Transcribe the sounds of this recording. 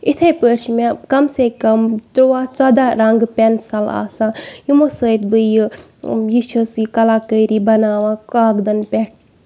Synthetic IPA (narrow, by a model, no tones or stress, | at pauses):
it̪ʰepəɾʃmekɐmsekɐmt̪ɾuwaːt͡saːd̪aɾɐŋɡpʲɛnsɐla̰ːsãːjumɐsəːt̪̚bɨjɨjit͡ʃʰɐsikɐlaːkəjɾibɐnaːʋãkaːɡd̪ɐnpʲɛʈ̚ʰ